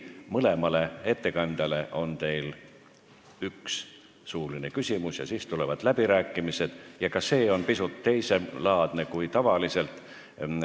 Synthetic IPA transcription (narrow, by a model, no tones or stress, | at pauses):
mɤle̞mɑle̞e̞t̪ːe̞kɑnʲd̪̥ɑle̞ʔo̞nt̪e̞jl | yks | suːline̞kysʲimusjɑ̰siːst̪ule̞vɑd̪̥læb̥iɾæːkːˑimise̞d̪̥jɑkɑse̞ːo̞npisut̪ːe̞jse̞lɑːd̪̥ne̞kujt̪ɑvɑlise̞lt̪